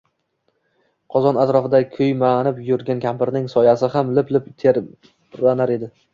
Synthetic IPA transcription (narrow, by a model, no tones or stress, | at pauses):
qʰɒzɒnat̪ɾɒfɪd̪akʲʰɵjmanɪpjʊɾɡʲankʲʰampɪɾnɪŋsɒjasɪɦamlɪplɪpt̪ʰeɾ | anaɾe̞d̪ɪ